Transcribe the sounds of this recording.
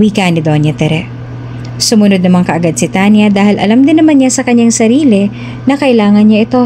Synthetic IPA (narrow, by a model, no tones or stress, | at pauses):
wiːkɐnɪd̪onjɐt̪ɛɾɛ | sʊmʊnod̪̚nɐmaŋkɐʔɐɡad̪̚sɪt̪anjɐd̪aːhɪlʔɐ̰lamd̪ɪnːɐmanɲasɐkɐɲːaŋsɐɾiːlɪ | nɐkɐʔɪlaːŋɐnɲaʔɪt̪o̞